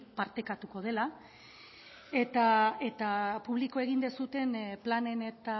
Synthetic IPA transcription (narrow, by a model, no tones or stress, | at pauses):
paɾt̪e̞kat̪uko̞ð̞e̞la | e̞t̪ae̞t̪apuβliko̞e̞ɣ̞ind̪esut̪e̞nplane̞ne̞t̪a